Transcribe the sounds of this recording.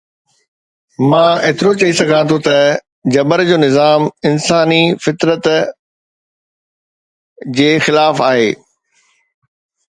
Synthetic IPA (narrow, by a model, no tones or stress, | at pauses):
mãːet̪ɪɾot͡ɕɐɦisɐɡʱãt̪ʰot̪ɐ | d͡ʑɐbəɾd͡ʑoːnɪzaːmɪnsaːnifɪt̪ɾət̪ | d͡ʑeːxɪlaːfaːɦeː